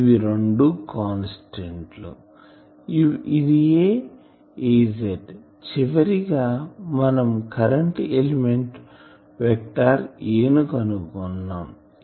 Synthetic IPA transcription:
ʋiɾoɳɖukaːnsiʈeɳʈlṵ | id̪ijeː | ed͡ʒeʈ | t͡ʃiʋɐɾiɡaːmɐnɐmkɐɾɐɳʈelimeɳʈ | ʋɛk̚ʈaːɾeːnukɐnukɔnːaːm

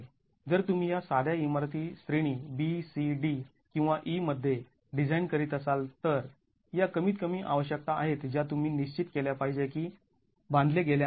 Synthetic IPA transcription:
d͡zəɾt̪um̤iːjasad̪jaimaɾt̪iːsɾiɽ̃iːbisiɖi | kĩw̃ʋaʔiməd̪ʱːje | ɖid͡zainkəɾiːt̪əsalt̪əɾ | jakəmiːt̪̚kəm̤iːʔa̰ʋəɕjək̚t̪aaɦet̪d͡ʑjat̪um̤iːniɕt͡ɕit̪keljapaɦid͡ʑekiː | bãnd̪leɡelj

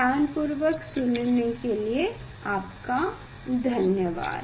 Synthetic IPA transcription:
aːnpʊɾʋəksʊnnekelie | aːpka | d̪ʱɐnjəʋa̰ːd̪

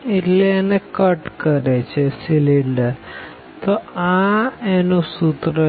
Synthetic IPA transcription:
ilenekɐʈkɐɾet͡ɕesiliɳɖɨ | t̪oaenusut̪rɐ

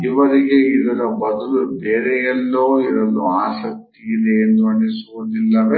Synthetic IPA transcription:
iʋɐɾiɡe̞id̪ɐɾɐbɐd̪ulubeːɾɛjɛlːoːiɾɐlːuaːsɐk̚t̪iid̪eːnd̪uɐɳɖisuʋud̪ilːɐʋe

